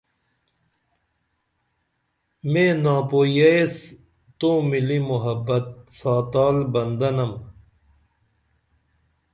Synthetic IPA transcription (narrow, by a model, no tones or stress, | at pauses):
mẽːnaːpoːjɐes | t̪õːmilimuɦɐbːɐt̪̚saːt̪aːlbɐnd̪ɐnɐm